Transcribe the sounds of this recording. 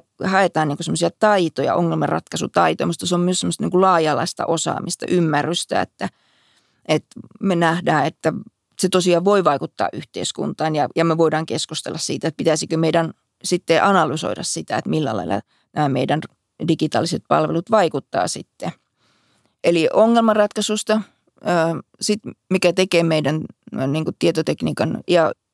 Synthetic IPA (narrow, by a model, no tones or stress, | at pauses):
hɑet̪ɑːnniːŋkosemosiɑt̪ɑit̪ojɑ̰ʔo̰ŋːelmerɑ̰t̪kɑsṵt̪ɑit̪o̰jɑmut̪ːɑseommyøsemːost̪ɑniŋkulɑːjɑlɑist̪ɑ̰ʔosɑ̰ːmist̪ɑ̰ʔymːærːyst̪æ̰ḛt̪ːæ | et̪menæhdæːet̪ːæ | set̪osiɑːʋʋoiʋɑikut̪ːɑ̰ːʔʔyht̪ḛiskṵnt̪ɑːnjɑjɑmeʋoidɑːŋkeskust̪ḛlːɑssḭːt̪æt̪̚pit̪æsikømeiɾæn | sit̪ːeʔɑnɑlyso̰iɾɑ̰ssit̪æ̰ḛt̪milːæ̰lɑ̰ilːˑɑ̰ | næːmeidæn | dikit̪ɑ̰ːliset̪̚pɑ̰lʋḛlut̪ʋɑikut̪ːɑ̰ːsḭt̪ːe | ʔeliʔoŋːelmɑrɑt̪kɑsust̪ɑ | əːsit̪mikæt̪ekeːmeidænniːŋkutt̪iet̪ot̪ekniːkɑnjɑ